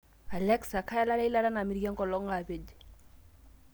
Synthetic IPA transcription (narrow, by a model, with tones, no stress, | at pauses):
a˨lɛ˦ksa˨ka˦ja˦la˦la˦i˦la˦la˦na˨mi˦ɾɡɛ˦ŋkɔ˨lɔ˦ŋa˨be˨d͡ʒ